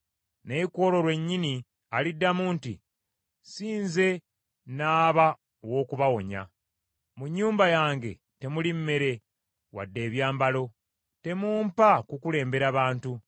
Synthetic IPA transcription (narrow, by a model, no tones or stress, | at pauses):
ne̞ko̞ːlo̞ɾwe̞ɲːini | alidːamuːntḭ | siːnze̞ | naːβa | owo̞ːkuβawo̞ɲa̰ | muɲːuːmbajaːŋɡe̞̰ | te̞mulimme̞ɾe̞ | wa̰dːe̞ːβjaːmbalo̞ | te̞muːmpakukule̞ːmbe̞ɾaβaːntu